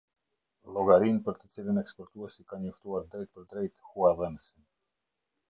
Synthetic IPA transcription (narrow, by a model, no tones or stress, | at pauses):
lˠɔɡaɾinpəɾt̪ət͡silinɛkspɔɾt̪uɛsikanɲɔft̪uaɾd̪ɾɛjt̪̚pəɾd̪ɾɛjt̪huavɛmsin